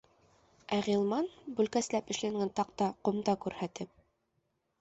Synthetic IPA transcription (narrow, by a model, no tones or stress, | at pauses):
æʁilˠmɑnbʉlkæslæpɘ̆ʃlæŋɡɘnt̪ɑq̚t̪ɑqŏmd̪ɑkʉɾhæt̪ɘp̚